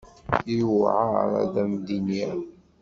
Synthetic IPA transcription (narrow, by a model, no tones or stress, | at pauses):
iwʕa̰ɾˤæ̰ðæmd̪injæ